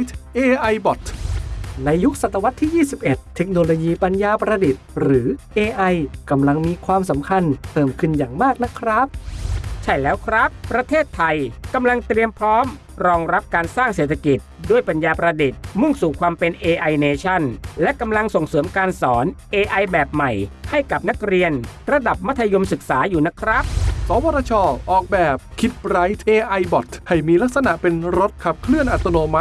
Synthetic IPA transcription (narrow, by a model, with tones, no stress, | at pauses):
t̪ʰʔeː˧ʔa˧jbɔ˨˩t̪ʰ | na˧jːu˦˥k̚sa˨˩t̪ːa˧wa˦˥t̪ʰːiː˥˩jiː˥˩si˨˩p̚ʔe˨˩t̪ʰːe˦˥k̚noː˧loː˧jiː˧pa˧njaː˧pɾa˧di˨˩t̪̚ɾɯː˩˦ʔeː˧ʔa˧jka˧mla˧ŋmiː˧kʰwaː˧ms̬a˩˦mkʰa˧np̪ʰɤː˨˩mkʰɯ˧˩njaː˨˩ŋmaː˥˩k̚na˦˥kʰɾa˦˥p̚t͡ɕʰa˥˩jlɛː˦˥wkʰɾa˦˥pːɾa˧t̪ʰeː˥˩t̪ʰːa˧jka˧mla˧ŋt̪ɾi˧əmpʰɾɔː˦˥m | ɾɔː˧ŋɾa˦˥p̚kaː˧nsaː˥˩ŋseː˨˩t̪ʰːa˧ki˨˩t̪̚du˥˩əjpa˧njaː˧pɾa˧di˨˩t̪̚mɯ˥˩ŋsuː˨˩kʰwaː˧mpe˧nʔeː˧ʔa˧jneː˧t͡ɕʰa˥˩nlɛ˦˥ʔka˧mla˧ŋso˨˩ŋsɤː˩˦mkaː˧nsɔː˩˦nʔeː˧ʔa˧jbɛː˨˩p̚ma˨˩jha˥˩jka˨˩p̚na˦˥k̚ɾi˧ənɾa˧da˨˩p̚ma˦˥t̪ʰːa˧jo˧msɯ˨˩k̚saː˩˦juː˨˩na˦˥kʰɾa˦˥p̚sɔː˨˩˦waː˧ɾaː˧t͡ɕʰɔː˧ʔɔː˨˩k̚bɛː˨˩p̚kʰi˦˥t̪̚ɾa˦˥jt̪ʰʔeː˧ʔa˧jbɔ˨˩t̪ʰha˥˩jmiː˧la˦˥k̚sa˧na˨˩ʔpe˧nɾo˦˥t̪̚kʰa˨˩p̚kʰlɯ˥˩ənʔa˨˩t̪ːo˧noː˧ma˦˥